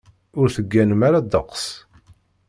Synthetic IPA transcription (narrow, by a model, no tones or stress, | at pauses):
ʊɾθəɡːænəmaɾad̪əqs